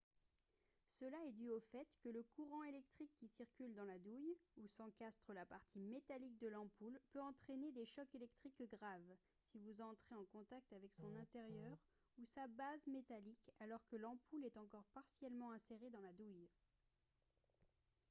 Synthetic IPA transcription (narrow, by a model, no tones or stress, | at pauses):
səlaɛd̪yofɛt̪kələkuʁɑ̃elɛk̚t̪χikːisiʁkʲyld̪ɑ̃lad̪ujusɑ̃kast̪χəlapaʁt̪ʰimet̪alik̚d̪əlɑ̃pulpøɑ̃t̪χened̪eʃɔkelɛkt̪χikɡʁav | sivuzɑ̃t̪χeɑ̃kɔ̃t̪ak̚t̪avɛksɔ̃nɛ̃t̪eʁjœʁ | usabazmet̪alikalɔʁkəlɑ̃pulɛt̪ɑ̃kɔʁpaʁsjɛlmɑ̃ɛ̃seʁed̪ɑ̃lad̪uj